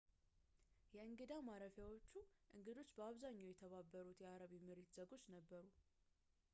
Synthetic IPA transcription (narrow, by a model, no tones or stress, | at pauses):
jɛɨŋɡɨd̪awmaɾəfjawo̞t͡ʃːuʔɨŋɡɨd̪o̞t͡ʃːbəaβzaɲːawjɛt̪ʰəβabːəɾut̪jɛaɾəβimɨɾet̪z̥əɡo̞t͡ʃːnəbːəɾu